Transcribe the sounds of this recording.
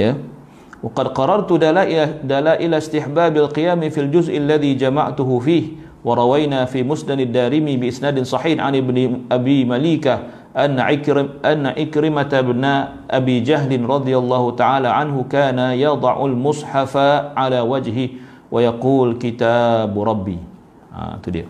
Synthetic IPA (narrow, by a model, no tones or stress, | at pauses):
ja | wɑqɑd̪qɑrˤːɑɾˤt̪ʊalaʔd̪alaːʔɪlast̪ɪħbaːbalqijaːmfild͡ʒʊzʔalːaðiːd͡ʒama̰ʕt̪ʊɦʊfiːh | wɑɾˤɑwajnaːfiːmʊsnadadːaːɾɪmibɪʔɪsnaːdɪnsˤɑħiːhʕa̰nɪbnʔabiːmaliːka | ʔanʔanːaʔɪkɾɪmat̪abna | ʔabiːd͡ʒaɦlɪnɾˤɑd̪ˤijalˤːɑːɦut̪aʕaːlaʕanɦʊkaːnajɑd̪ˤɑʕʊ̰lmʊsˤħafaʕalaːwad͡ʒɦɪ | wajɑquːlkit̪abɾˤɑbːḭː | ʔa̰t̪udḭa̰